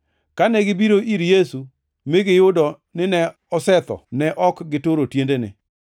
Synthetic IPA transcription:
kanɛɡɪbiɾoʔiɾjesu | mɪɡɪjʊdɔ | nɪnɛ | ɔsɛt̪ɔ̰nɛʔɔkɡɪtoɾotjendenɪ̰

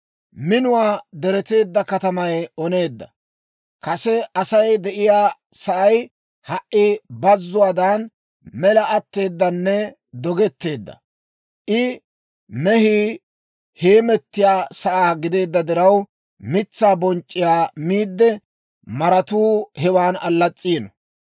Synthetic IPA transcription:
mɪnʊwaːd̪ɛɾɛt̪e̞ːd̪ːɐkɐt̪ɐmɐjɔne̞ːd̪ːɐ | kɐsɛɐsɐjd̪ɛʔɪjaː | sɐʔɐj | hɐʔʔɪbɐzːʊwaːd̪an | mɛlɐʔɐt̪ːe̞ːd̪ːɐnːɛ | d̪ɔɡɛt̪ːe̞ːd̪ːɐ̰ | ʔɪ | mɛhiː | he̞ːmɛt̪ːɪjaːsɐʔaːɡɪd̪e̞ːd̪ːɐd̪ɪɾɐw | mɪt͡sːaːbɔnt͡ʃʼːɪjaːmiːd̪ːɛ | mɐɾɐt̪uːhɛwaːnɐlːɐt͡sʼːiːnɔ

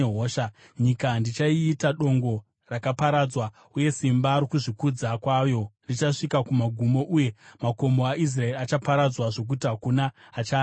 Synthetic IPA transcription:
ɦoːʃa | ɲikandit͡ʃaiːtaɗo̞ŋɡo̞ | rakapaɾad͡zwa | uje̞simbaɾokuʐikud͡zakwajo̞rit͡ʃaʂikakumaɡʱumo̞ʔuje̞mako̞moaʔis̬raeɾiat͡ʃapaɾad͡zwaʐo̞k̬utiɦakunaː | t͡ʃaː

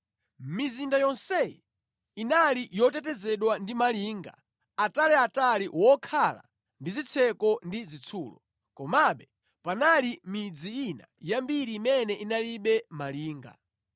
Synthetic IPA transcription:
mizindajɔnsɛjɛ̰ | inalijɔtɛtɛzɛɗwandimaliːŋɡa̰ | atalɛataliwɔkʰala̰ | ndizit͡sʰɛkɔndizit͡sʰuːlɔ̰ | kɔmaɓɛ | panalimid͡ziina̰jambiɾiːmɛnɛʔinaliɓɛmaliːŋɡa̰

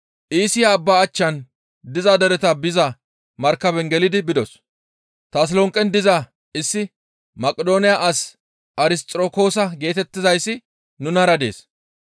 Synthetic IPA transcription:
ʔiːsɪjaːbːaːt͡ʃːɐn | d̪ɪzad̪ɛɾɛt̪ɐbɪzɐ | mɐɾkːɐbɛŋɡɛlɪd̪ɪbɪd̪ɔs | t̪aːs̬lɔŋkʼːɛnd̪ɪzɐ | ɪsːɪ | mɐkʼːɛd̪o̞ːnɪjaʔɐs | ɐɾɪst̪ʼɾoːko̞ːsɐɡe̞ːt̪ɛt̪ːɪzɐjsːɪ | nʊnɐɾɐd̪e̞̰ːs

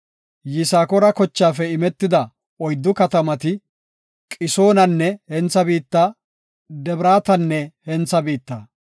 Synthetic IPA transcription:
jɪsaːkɔɾɐkɔt͡ʃːaːfɛɪmɛt̪ːɪd̪ɐ | ɔjd̪ːʊkɐt̪ɐmɐt̪ɪ | kʼɪso̞ːnɐnːɛhɛnt͡sːɐbiːt̪ːa | d̪ɛbɾaːt̪ɐnːɛhɛnt͡sːɐbiːt̪ːaː

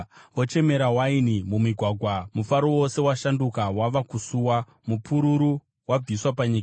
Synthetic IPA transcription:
ʋot͡ʃe̞me̞ɾawainimumiɡʱwaɡʱwamufaɾo̞wo̞se̞waʃandukawaʋakusuwa | mupʰuɾuɾu | wab͡viswapaɲika

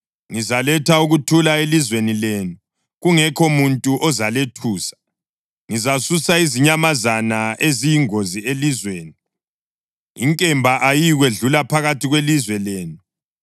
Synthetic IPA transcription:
ŋizalɛtʰauɣutʰulaelizwenileːnu | ɣuŋɛkʰomuntʼuʔɔzaletʰuːsḁ | ŋizasusaiziɲamazanaʔezijiŋozielizweːni | iŋkʼɛmbʱaʔajiɣweɮulapʰaɣatʰiɣwelizwɛleːnu

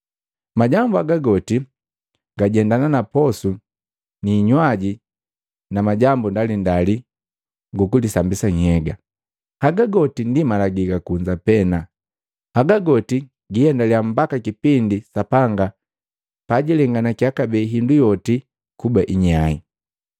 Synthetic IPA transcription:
maɟambuaɡaɡɔti | ŋɡaɟɛndananapɔsu | niːɲwaɟi | namaɟambundalindali | ŋɡukudisambisaɲ̩hɛɡa | haɡaɡɔtindimalaɡikakuɲd͡ʒapɛna | haɡaɡɔti | ɡijɛndaliam̩bakakipindisapaŋɡa | paɟilɛŋɡanakiakabɛɦindujɔti | kubaʔiɲaḭ

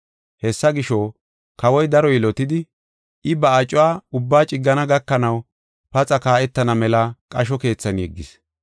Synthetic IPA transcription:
hɛsːɐɡɪʃɔ | kɐwɔjd̪ɐɾɔjɪlɔt̪ɪd̪ɪ | ɪbɐɐt͡ʃʼːʊwaːʊbːaːt͡ʃʼɪɡːɐnɐɡɐkːɐnɐw | pɐt͡sʼɐkaːʔɛt̪ːɐnɐmɛlɐkʼɐʃ̬ɔke̞ːt͡sːɐnjɛɡːɪs

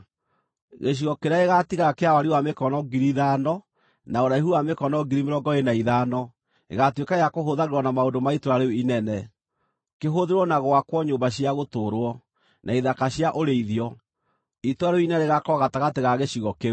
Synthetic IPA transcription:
ɣeɕ̬iɣɔkeɾaeɣatiɣakeawaɾiwamekɔnɔɡiɾiðanɔ | naoɾaiɦuwamekɔnɔɡiɾimeɾɔŋɡɔenaiðanɔ | ḛɣatwekaejakoɦoðaɾeɾwɔnamaondomaitoɾaɾeuinɛnɛ | keɦoðeɾwɔnaɣoakwɔɲoːmbaɕiaɣotoːɾwɔ | nʔaiðakaɕjaʔoɾeiðijɔ | itoaɾeoinɛɾeɣakɔɣataɣateɣaɣeɕiɣɔke

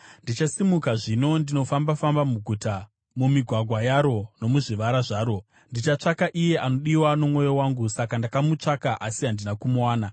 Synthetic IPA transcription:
ndit͡ʃasimukaʐino̞ndino̞fambafambamuɡʱuta | mumiɡʱwaɡʱwajaɾo̞no̞muʐiʋaɾaʐaːɾo̞ | ndit͡ʃat͡ʂakaʔije̞ʔano̞ɗiwano̞mŋo̞jowaŋɡusakandakamut͡ʂakaʔasiɦandinakumuwaːna

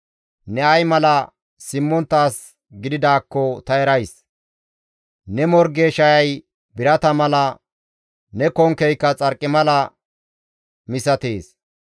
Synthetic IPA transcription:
nɛɐjmɐlɐ | sɪmːɔnt̪ːaːs | ɡɪd̪ɪd̪aːkːɔt̪ɐɛɾɐjs | nɛmɔɾɡeːʃɐjɐj | bɪɾɐt̪ɐmɐlɐ | nɛkɔŋkɛjkːɐt͡sʼɐɾkʼːɪmɐlɐ | mɪsɐt̪e̞ːs

